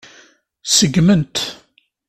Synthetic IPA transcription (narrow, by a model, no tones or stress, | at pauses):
səɡmənt̪